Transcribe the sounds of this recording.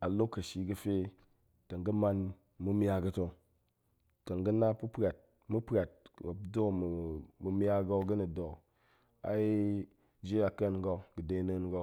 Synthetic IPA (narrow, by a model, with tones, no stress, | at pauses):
a˨lo˦kːɐ˨ʃi˨ɡɨ˦fe˦ | ta˨ŋɡə˦ma˦n | mu˦mʲ˦a˦ɡə˧to˨ | ta˨ŋɡə˦na˦pu˦pɾʲa˨t̚ | mu˦pɾʲa˨t̚a˨do˦m˨mu˨mʲ˦a˦ɡo˧ɡə˦ni˨do˨ | a̰˨i˦ | d͡ʒe˦a˨ka˦n˦ɡo˧ɡɨ˨de˧˦ne˦nɡo˦˧